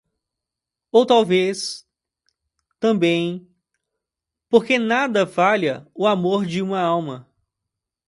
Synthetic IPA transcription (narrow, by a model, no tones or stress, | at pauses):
owt̪awves | t̪ɐ̃bẽj̃ | poɾkenad̪ɐfaʎɐʊamoɾd͡ʒɪũmɐawmɐ